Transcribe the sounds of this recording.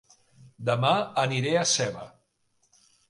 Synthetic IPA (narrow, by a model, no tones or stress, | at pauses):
d̪əmaəniɾeəsɛβə